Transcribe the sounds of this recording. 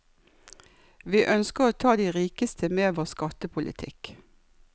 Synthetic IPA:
ʋiːʔœnskəʁoːt̪ʰɑːd̪iːʁiːkəst̪ʰəmeːʋoːskɑt̪əpʰʊlʔɪ̰t̪ʰɪ̰k

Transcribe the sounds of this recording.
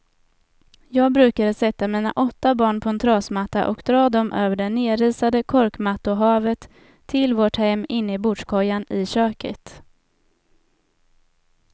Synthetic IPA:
jɑːɡ̚bɾʉ̟ːkad̪əsɛt̪ːamiːna̰ʔɔt̪ːabɑːɳpʰɔɛnt̪ʰɾɑːsmat̪ːa̰ʔɔkd̪ɾɑːd̪ɔmʔøːvəɖɛnːeːɾiːsad̪əkʰɔɾkmat̪ːʊɦɑːvət̪ʰː | ɪlvoːʈhɛmːɪnːɪbʊd̪ʂkʰɔjːanɪɕøːkə̰t̪

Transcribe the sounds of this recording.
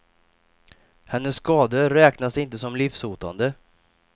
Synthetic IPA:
hɛnːəsːkɑːd̪əɾɛːknasɪnt̪əsɔmlifsuːt̪a̰nd̪ə

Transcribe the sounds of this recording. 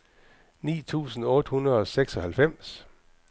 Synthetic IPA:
nḭːt͡sʰṵːsn̩ɔ̽ːd̥hunɐð̞ˠɒ̽seɡ̥sɒ̽hælfem̰s

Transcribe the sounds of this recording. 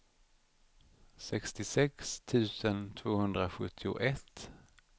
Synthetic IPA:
sɛkst̪ɪsɛkst̪ʰʉ̟ːsənt̪ʰv̥oːhɵnd̪ɾaɧɵt̪ʰːɪʊ̰ʔɛt̪ː

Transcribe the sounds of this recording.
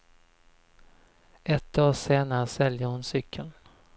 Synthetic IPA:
ɛt̪ːdoːʂeːnaɾəsɛljəhʊnsʏkʰːən

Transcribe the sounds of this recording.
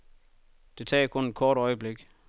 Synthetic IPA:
d̥e̝t͡sʰɛ̰ːkʰɔ̽ne̝d̥̚kʰɒːɾ̥ɒ̽ɪəb̥le̝ɡ̥

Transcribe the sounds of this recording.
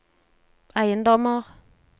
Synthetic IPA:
ajen̩dɔmɔk

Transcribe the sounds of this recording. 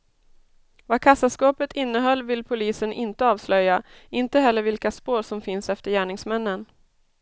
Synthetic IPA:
vakʰasːaskɑːpət̪ʰɪnːəɦœlːvɪlːpʰʊliːsənʔɪnt̪əɑːvslœjaɪnt̪əɦɛlːəɾvɪlkaspoːʂɔmfɪnsɛft̪əɾjæːɳɪŋsmɛnːən

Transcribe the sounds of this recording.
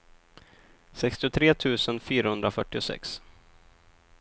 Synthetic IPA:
sɛkst̪ɪʊt̪ʰɾeːt̪ʰʉ̟ːsənfyːɾahɵnd̪ɾafœʈːɪʊsɛ̰ks

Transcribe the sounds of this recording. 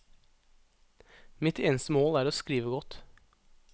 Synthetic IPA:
mɪt̪ʰeːnəst̪əmoːlæːɾoːskɾiːʋəɡɔt̪

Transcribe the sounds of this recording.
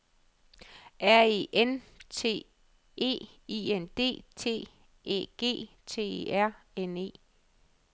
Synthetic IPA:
ʔæɐ̰eʔent͡sʰe̝̰ː | e̝̰ːiːend̥e̝̰ːt͡sʰe̝̰ː | ḛːɡ̥e̝̰ː | t͡sʰe̝̰ːeæɐ̰ene̝̰ː

